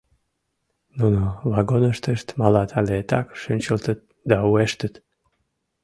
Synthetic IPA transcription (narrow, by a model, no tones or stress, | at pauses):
nunovɑɡonəʃt̪əʃt̪mɑlɑt̪ʰɑlet̪ɑkʃənʲt͡ɕəlt̪ət̪̚ | d̪ɑueʃt̪ət̪